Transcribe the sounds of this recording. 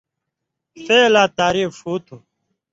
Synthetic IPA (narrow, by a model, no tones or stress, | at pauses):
seːlaːt̪aːɾiːfʂuːt̪ʰu